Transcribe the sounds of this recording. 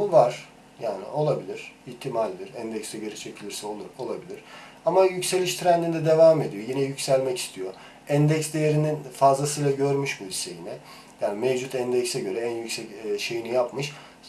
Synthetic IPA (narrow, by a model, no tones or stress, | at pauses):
buvaɾ̥ | jaːnḭo̞lˠabilʲiɾ̥içt̪ʰːimalʲd̪iɾænd̪ɛcst̪ɛɟøɾɛt͡ʃʰecʰilʲiɾsɛo̞lˠuɾo̞lˠabilʲiɾ̥ | amajycse̞lʲiʃt̪ʰiɾænd̪ind̪ɛd̪evaːme̞d̪ijo̞jinɛjycsælʲmɛci̥st̪ʰijo̞ | ænd̪ɛcsd̪ejeɾininfazlˠasɯjlˠaɟøɾmyʃbuisejinɛ | jaːnimevd͡ʒut̪ʰænd̪ɛcsɛɟø̞ɾɛænjycsɛcʃe̞jinijapmɯʃ